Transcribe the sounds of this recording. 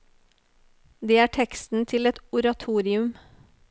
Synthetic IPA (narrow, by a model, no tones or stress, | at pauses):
d̪eːæːʈʰɛkst̪n̩t̪ʰɪlɛt̪ʊɾɑt̪ʰuːɾɪʉm